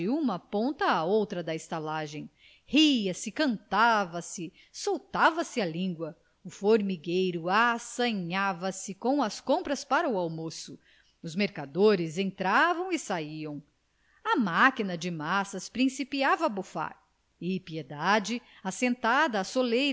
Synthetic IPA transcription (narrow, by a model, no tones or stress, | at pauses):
ɪũmɐpõnt̪ɐːowt̪ɾɐd̪ɐɪst̪alaʒẽj̃ | hiɐsɪkɐ̃nt̪avɐsɪ | sowt̪avɐsɪalĩŋɡwɐ | ʊfoɾmiɡejɾʊasɐ̃ɲavɐsɪkõw̃ɐskõmpɾɐspaɾɐuawmosʊ | ʊzmeɾkad̪oɾɪzẽnt̪ɾavɐ̃w̃ɪsaiɐ̃w̃ | ɐmakinɐd͡ʒɪmasɐspɾĩsipiavɐːbufa̰ɾ | ɪpied̪ad͡ʒɪ | asẽnt̪ad̪ɐːsolej